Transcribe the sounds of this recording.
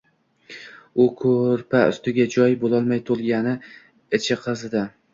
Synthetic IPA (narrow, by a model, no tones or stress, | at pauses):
ʊkʰɵɾpʰaʊ̰st̪ɪɡʲad͡ʒɒjbolˠɒlˠmajt̪ʰolˠɡʲanɪ | ɪt͡ʃʰɪqʰɨzɪd̪a